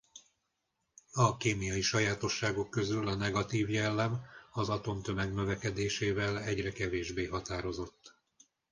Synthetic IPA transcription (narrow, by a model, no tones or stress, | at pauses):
ɒkeːmijɒjiʃɒjaːt̪o̞ʃːaːɡo̞kːø̞zylɒnɛɡɒt̪iːvjɛlːɛmɒzɒt̪o̞mt̪ø̞mɛɡnø̞vɛkɛd̪eːʃeːvɛlɛɟrɛkɛveːʒbeːɦɒt̪aːɾo̞zo̞t̪ː